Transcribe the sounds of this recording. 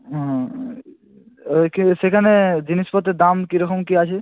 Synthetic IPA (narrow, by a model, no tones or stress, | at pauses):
kisekʰaned͡ʑiniʃpɔt̪ed̪amkiɾɔkomkiat͡ɕʰe